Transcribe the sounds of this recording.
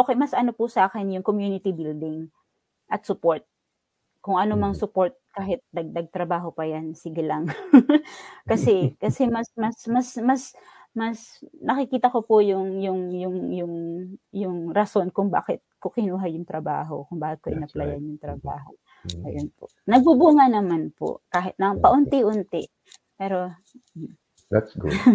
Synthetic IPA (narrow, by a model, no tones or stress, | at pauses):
ʔoːkɛjmɐsʔɐno̞pʊsɐʔaːkɛnjʊŋkomjuːnɪt̪ɪbild̪ɪŋ | ʔɐt̪̚sʊpoɹt̪̚ | kʊŋʔɐnomɐŋsʊpo̞ɹt̪̚kaːɦɪt̪̚d̪ɐɡ̚d̪ɐɡ̚t̪ɾɐbaːɦo̞pɐjansɪɡɐlaŋ | kɐsɛkɐsɛmɐsmɐsmɐsmɐs | mɐsnɐkɪkiːt̪ɐkopʊjʊŋjʊŋjʊŋjʊŋjʊŋɾɐso̞nkʊŋba̰ːkɪt̪̚kokɪnuːɦɐjʊŋt̪ɾɐba̰ːɦo̞̰kʊŋbaːkɪt̪̚koʔɪnɐplɐjanjʊŋt̪ɾɐba̰ːɦo̞̰ | ʔɐjonpo̰ | nɐɡ̚bubuːŋɐnɐmanpo̰kaːɦɪt̪nɐŋpɐʔʊnt̪ɪʔʊnt̪ɪ | pɛːɾo̞ | d̪at̪sɡʊ̰d̪